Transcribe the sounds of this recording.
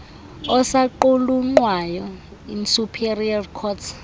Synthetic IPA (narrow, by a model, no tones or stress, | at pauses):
ɔsaǃuluŋ͡ǃwajɔ | insupʰiriarkʰɔːtʰ